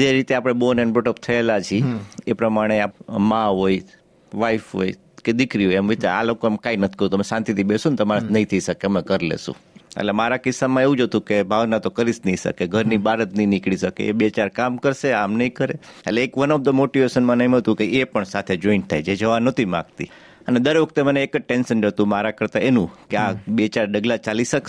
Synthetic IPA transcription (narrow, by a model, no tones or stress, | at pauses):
d͡ʒeɾit̪eapɽ̃ebonɛnbuʈəp̚t̪ʰəelat͡ʃʰiepɾəmaɽ̃eapmãɦoj | ʋaifɦo̰i | ked̪ɪkɾiɦojemʋit̪aa̰lokoemkainət̪ʰi̥kəɾũt̪əmesãnt̪it̪ʰibesunt̪əmaɾət̪nəĩt̪ʰəiʃəkemə̃kəɾlḛsṵ̃ḛlemaɾakɪsːamãeʋũd͡ʒot̪ũkebʱaʋnat̪okəɾisnəisə̰keɡʱəɾnibaɾət̪nəĩnikɽisəkḛḛbet͡ʃaɾkamkəɾseamnəĩkəɾeḛleːkʋənəb̚d̪əmoʈiʋeʃənmãnəmət̪ũkeepəɳsat̪ʰed͡ʒoint̪ʰajd͡ʒed͡ʒəʋanət̪ʰimã̰ɡt̪ḭ | əned̪əɾʋəkʰt̪eməneːkəʈensənd͡ʒət̪ũmaɾakəɾt̪aenũkeabet͡ʃaɾɖəɡlat͡ʃaliʃək